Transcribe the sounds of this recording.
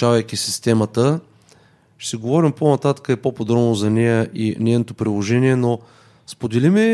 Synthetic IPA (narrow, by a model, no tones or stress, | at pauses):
avɐjkʲisist̪ɛmət̪ə | ʃt̪ɛɡovɔɾimponɐt̪at̪ə̥kəɛpopod̪ɾɔbnozɐnɛjəʔinʲɛjnot̪opɾilˠoʒɛniɛno | spod̪ɛlimɛ